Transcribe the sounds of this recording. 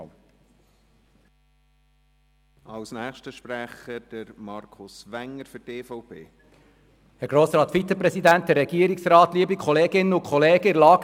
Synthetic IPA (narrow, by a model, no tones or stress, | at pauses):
ɑlsnɛːχʃtəʃpɾæχəd̥əɾmɑɾkʰʊsʋæŋəɾfʏteːfɔʊpʰḛː | hɛɾɡ̥ɾoːsɾɑːt̪fit͡səpɾɛsid̪ænt̚d̥ɛɾːɛɡ̥iːəɾɪksrɑːt̪liəbikχɔleːɡɪnəʊkʰχɔleːɡəɪɾlɑːɡ